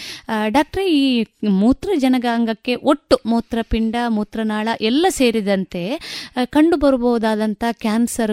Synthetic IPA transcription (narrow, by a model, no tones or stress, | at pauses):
ɖaːk̚ʈɐɾeiːmuːt̪ɾɐd͡ʒɐnɐɡaːŋɡɐkːe̞ʔoʈːumuːt̪ɾɐpiɳɖɐmuːt̪ɾɐnaːɭɐʔɛlːɐse̞ːɾid̪ɐnt̪e̞kɐɳɖubɐɾubɔʋud̪aːd̪ɐnt̪ʰɐkʲaːnsɐɾ